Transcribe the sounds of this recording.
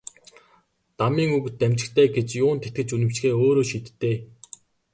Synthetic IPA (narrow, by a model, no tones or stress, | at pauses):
t̪amiːŋukɘ̆t̪ːæm̥ʲt͡ɕɪ̆kt̪ʰeːɡet͡ɕjʊːnt̪ʰet̪ɡɘ̆t͡ɕunɘ̆m̥t͡ɕxeːoːɾoːʃiːt̪ːeː